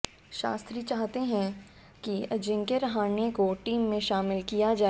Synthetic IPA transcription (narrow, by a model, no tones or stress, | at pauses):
ʃa̰ːst̪ɾit͡ʃaːɦt̪eɦɛ̃ | kiɐd͡ʒɪ̃ŋkeɾɐɦaːnekoʈiːmːẽʃaːmɪlkijad͡ʒaː